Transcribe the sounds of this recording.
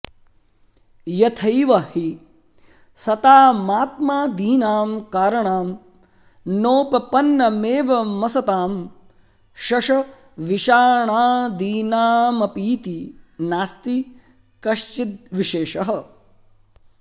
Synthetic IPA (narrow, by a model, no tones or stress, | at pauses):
jɐt̪ʰɐjʋɐhi | sɐt̪aːmaːt̪maːd̪iːnaːmkaːɾɐɳaːm | noːpɐpɐnːɐmeːʋɐmɐsɐt̪aːm | ʃɐʃɐ | ʋiʃaːɳaːd̪iːnaːmɐpiːt̪inaːst̪i | kɐʃt͡ʃit̪̚ʋiʃeːʃɐɦɐ̆